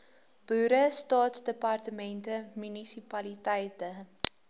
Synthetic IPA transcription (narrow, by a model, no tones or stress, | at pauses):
b̥uːɾəstɑːtsdəpɐrtəmɛntəmynisipɐlitɛjtə